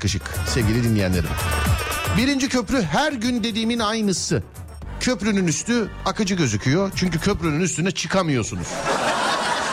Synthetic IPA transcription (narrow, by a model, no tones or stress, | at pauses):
kɯʃɯksɛvɟilʲid̪inlijæ̰nlːʲeɾḭm | biɾind͡ʒicʰø̞pɾyɦæɾɟynd̪e̞d̪iːminajnɯsɯ | cʰøpɾynynyst̪ʰy | akʰɯd͡ʒɯɟøzycʰyjo̞t͡ʃʰyɲcycʰøpɾynynyst̪ynɛt͡ʃʰɯkʰamɯjo̞sunuz̥